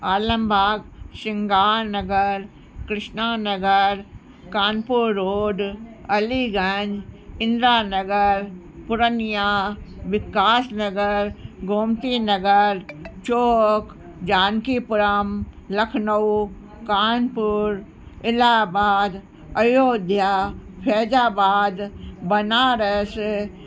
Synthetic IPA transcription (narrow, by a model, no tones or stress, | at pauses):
aːlɐmbʱaːɡʃɪŋɡaːɾnɐɡəɾ | kɾɪʃnaːnɐɡəɾ | kaːnpuɾːoːɖɐliɡɐ̃ɲd͡ʒɪ̃nd̪ɾaːnɐɡəɾ | pʊɾənijaʋɪkaːsnɐɡəɾɡʱomt̪inɐɡəɾt͡ʃoːk | d͡ʒaːnkipʊɾəm | ləkʰnəw | kaːnpʊɾ | ɪlaːbaːd̪ | ɐjoːd̪ʱjaːpʰɛːd͡ʒaːbaːd̪bɐnaɾəs